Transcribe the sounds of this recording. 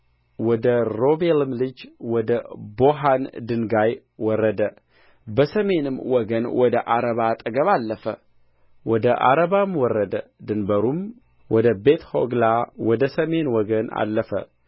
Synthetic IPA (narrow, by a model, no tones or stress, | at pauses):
wɔd̪əɾo̞belɨmlɨd͡ʒwɔd̪əboɦand̪ɨnɡaj | wɔrːəd̪ə | bəsəme̞nɨmwɔɡənwɔd̪əʔaɾəβat̪ʼəɡəβalːəfə̰ | wɔd̪əʔa̰ɾəβamwɔrːəd̪əd̪ɨnbəɾum | wɔd̪əbet̪ʰho̰ɡlawɔd̪əsəme̞nwɔɡəna̰lːəfə̰